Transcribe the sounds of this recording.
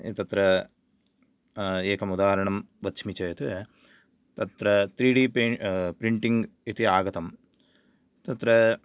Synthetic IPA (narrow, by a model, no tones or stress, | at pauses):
t̪ɐt̪ɾɐ | eːkʰɐmud̪aːɾɐɳɐmʋɐt̪ʃʰmit͡ʃɐjɐt̪ɨ | t̪ɐt̪ɾɐt̪ɾiːɖiːpɾiɳʈiŋɡit̪iaːɡɐt̪ɐm | t̪ɐt̪ɾɐ